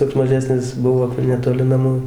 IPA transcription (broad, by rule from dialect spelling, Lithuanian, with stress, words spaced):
toːks mɐˈʒʲæːsʲnʲɪs ˈbʊʋoː nʲɛtoːˈlʲɪ nɐˈmuː